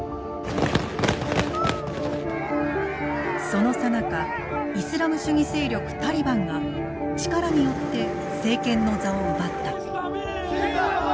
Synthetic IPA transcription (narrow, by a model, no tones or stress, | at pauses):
so̞no̞sanaka | isɨɾamɯ̟ɕɨɲ̟ise̞ːɾʲo̞kɯ̟̥t̪aɾʲibãŋɡa | t͡ɕi̥kaɾaɲ̟ijo̞t̪ːe̞ | se̞ːkẽ̞nːo̞zao̞nobat̪ːa